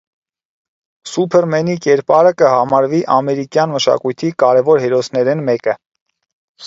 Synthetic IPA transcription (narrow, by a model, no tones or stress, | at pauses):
supʰɛɾmɛnikɛɾpɑɾəkəɦɑmɑɾviʔɑmɛɾikjɑnməʃɑ̰kujt̪ʰikɑɾɛvɔɾɦɛɾɔsnɛɾɛnmɛkə